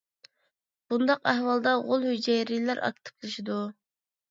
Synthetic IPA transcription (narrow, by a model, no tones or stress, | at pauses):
b̥und̪ɑqæhwɑlˠd̪ɑʁolˠhyd͡ʒɛjɾilæɾʔɑ̰k̚t̪ʰɨ̥pʰlˠɨʃid̪u